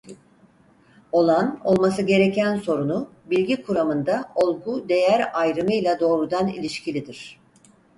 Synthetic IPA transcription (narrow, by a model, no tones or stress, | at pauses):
o̞lˠano̞lˠmasɯɟe̞ɾecʰænso̞ɾunubilʲɟikʰuɾamɯnd̪ao̞lˠɡud̪e̞jæɾajɾɯmɯjlʲˠad̪o̞ːɾud̪anḭlʲiʃcʰilʲid̪iɾ̥